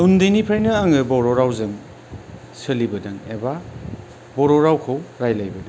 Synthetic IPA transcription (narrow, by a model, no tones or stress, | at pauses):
undenipʰajnɯːŋɯbɔɾɔɾawzɯŋ | sɯlibɐdaŋḛba | bɔɾɔɾawkʰɯwɾajlajbɐdaŋ